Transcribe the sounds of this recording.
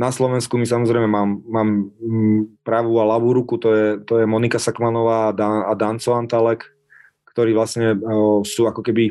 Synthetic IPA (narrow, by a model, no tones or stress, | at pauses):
naslɔʋɛnskumis̬amɔzɾɛjmɛmaːmːaːm | pɾaʋualaʋuɾukut̪ɔjɛt̪ɔjɛmɔnikasakmanɔʋaːd̪aad̪ant͡sɔant̪alɛk | kt̪ɔɾiːʋlasɲɛsuːakɔkɛbi